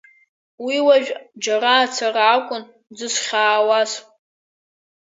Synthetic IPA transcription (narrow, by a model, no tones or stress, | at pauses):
wiwaʒᶣd͡ʒaɾaːt͡sʰaraːkʷʼʊn | d͡zɨsʷχʲaːwasʼ